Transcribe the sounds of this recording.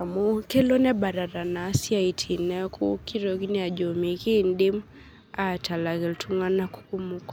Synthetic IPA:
a˨mu˦kɛ˦lɔ˦nɛ˦ba˨ɾa˨ɾa˨na˨˦sja˦i˨tʰi˨nɛ˦kʰu˦ki˦ɾo˨ɣi˦nɛ˦a˨d͡ʒɔ˨mi˨ki˦ndi˦m | a˨tʰa˨la˨ɣɛ˨ltʰu˦ŋa˦na˦ku̥˦ku˦mu˦k

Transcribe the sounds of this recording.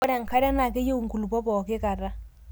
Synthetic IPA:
ɔ˦ɾa˨ŋ˨ka˦ɾa˦na˨ke˦je˦u˨ŋ˨ku˨lu˨pɔ˦pɔ˨ke˦ka˨ɾa˦

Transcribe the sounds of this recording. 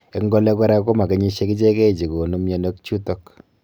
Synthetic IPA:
e˦ŋɡɔ˦le˦kɛ˦ɾa˦ko˦ma˨ke˨˦ɲi˦ʃe˦ki˦t͡ʃe˦ke˦˨t͡ʃi˨ko˨nu˦mjo˨no˦kt͡ʃu˦tɔ˦k

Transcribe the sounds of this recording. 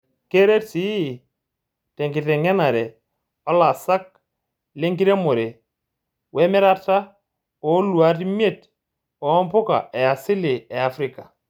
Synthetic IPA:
ke˦ɾe˦tsi˦˨ | tɛ˨ŋkɪ˨tɛ˨ŋɛ˦na˨ɾɛ˨ | ɔ˦la˨sa˦k̚ | le˦ŋki˦ɾe˦mo˨ɾe˨ | wɛ˦mɛ˦ɾa˦ta˦ | ɔ˨˦lu˨a˨˦ti˦m˦e˦˨t | ɔ˨ɔ˦mpʊ˦ka̰˨ɛ˨a˨sɪ˦lɪ˨ɛ˨a˨fɾi˦˨ka˨

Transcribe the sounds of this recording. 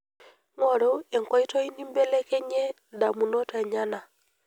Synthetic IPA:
ŋɔ˦˨ɾɔ˦ɛ˨ŋkɔ˨i˦tɔ˦i˦ni˦mbɛ˦lɛ˦kɛ˦ɲɛ˦nda˨mu˨nɔ˦tʰa˨ɲa˦na˨

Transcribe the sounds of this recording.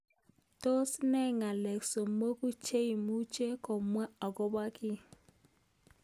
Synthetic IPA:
to˦snɛ˦ŋa˨lɛ˨kso˨mo˦ku˦t͡ʃe˦i˨mu˦t͡ʃe˦kɔ˨mwa˦a˨kɔ˦ba˦ki˦

